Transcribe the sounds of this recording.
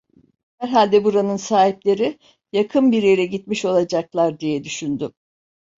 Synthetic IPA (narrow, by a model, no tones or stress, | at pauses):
hæɾɦalʲd̪ɛbuɾanɯnsaːhiplʲe̞ɾi | jakʰɯnbiɾjeɾɛɟit̪̚miʃo̞lˠad͡ʒaklˠaɾd̪ijɛd̪yʃynd̪y